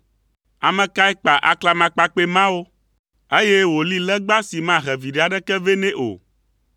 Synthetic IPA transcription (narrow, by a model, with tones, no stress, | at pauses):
a˨mɛ̃˨ka˦ɛ˦k͡pa˨ʔa̰˨kla˦mã˨˦k͡pa˦k͡pe˦mã˦wo˦ | e˦je˦wo˨li˦lɛ˦ɡ͡ba˦si˨mã˦ɦɛ˨vi˨ɖe˦a˨ɖɛ˦kɛ˦ve˦nɛ̃˦ʔo̰˨